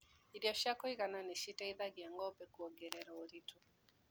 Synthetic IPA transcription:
iɾjɔʃakɔiɣananɛʃitaiðaɡiaŋɡɔpɛkuɔɡɛɾɛɾɔoɾitɔ

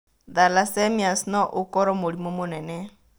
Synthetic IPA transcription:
ðalasɛmiasnɔʔokɔɾɔmoɾimɔmonɛnɛ

